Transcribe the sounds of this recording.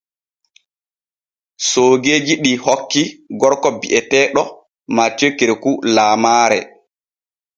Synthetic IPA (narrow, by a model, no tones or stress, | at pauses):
soːɡeːd͡ʒiɗihɔkːiɡɔɾkɔbiʔɛtɛːɗɔ | mat͡ʃːekːiɾɛkulaːmaːɾɛ̰